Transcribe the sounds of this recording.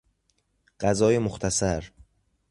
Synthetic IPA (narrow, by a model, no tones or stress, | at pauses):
ɢ̥æzɒːjemoxt̪ʰæsæɾ